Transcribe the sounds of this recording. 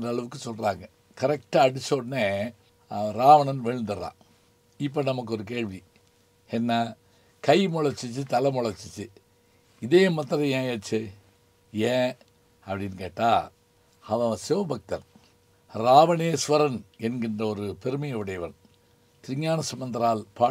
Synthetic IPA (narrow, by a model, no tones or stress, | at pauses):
ndrɐːɭɐʋɯkːɯsɔlraːŋɡɐ | kɐɾɛk̚ʈɐɐɽɪsoːɖneː | ɾaːʋɐnɐnʋeɻnd̪ɐɾã̰ː | ɪp̬ːonɐmɐk̬ːɔɾɯk̬eːɻʋi | ɛnːa | kɐjmɔɭɐɾt͡ʃːit͡ʃːɨt̪ɐlɐmɔɭɐɾt͡ʃːit͡ʃːɯ | ɪðeːjmːɐt̪ːɐɐjẽːjɐːt͡ʃːɨ | ẽː | ɐpɐɽinkeːʈːaː | ɐʋɐ̃sɛʋɐbʱɐk̚t̪ɐn | ɾaːʋɐneːsʋɐɾɐnɛnɡɪndrɐɔɾɯpɛɾɯmɐjɐʋɯɽɐjɐʋɐn | t̪ɪɾɪŋjaːnɐsɐmɐnd̪ɐɾaːlpaː